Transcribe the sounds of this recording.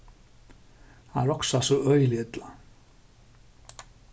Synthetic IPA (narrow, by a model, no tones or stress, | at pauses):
hanɛɾɔksasɔœɥliɛt̪la